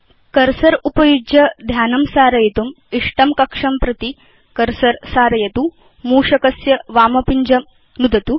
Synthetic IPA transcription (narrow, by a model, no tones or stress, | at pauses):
kɐɾsɐɾupɐjud͡ʒjɐd̪ʱjaːnɐmsaːɾɐjit̪um | iʂʈɐmkɐkʂɐmpɾɐt̪i | kɐɾsɐɾsaːɾɐjɐt̪u | muːʂɐkɐsjɐʋaːmɐpiɲd͡ʒɐm | nud̪ɐt̪u